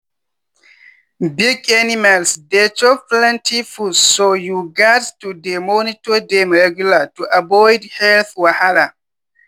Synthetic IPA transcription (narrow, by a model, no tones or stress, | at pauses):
biɡanimalsdɛt͡ʃɔflɛ̃ntʰifusojuɡadtudɛmonitɔdɛmɹɛɡjulatuʔabɔjdhɛlθwahala